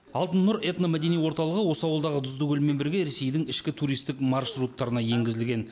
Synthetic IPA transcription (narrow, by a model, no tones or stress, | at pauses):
ɑlˠt̪ənːʊɾe̞t̪nomæd̪e̞nijwo̞ɾt̪ɑlˠəʁəwo̞səɑwəlˠd̪ɑʁəd̪ʊzd̪əɡʲɵlme̞nbɪɾɡʲe̞ɾe̞se̞jd̪ɪŋɪʃkʲɪt̪ʰuɾijst̪ɪkmɑrʃrut̪ːɑɾənɑje̞ŋɡʲɪzɪlɡʲe̞n